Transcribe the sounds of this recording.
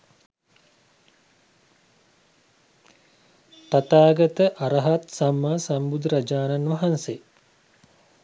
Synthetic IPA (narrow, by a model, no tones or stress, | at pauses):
t̪at̪aːɡɐt̪əʔaɾəɦat̪samːaːsambud̪ɾad͡ʒaːnanʋɐɦanse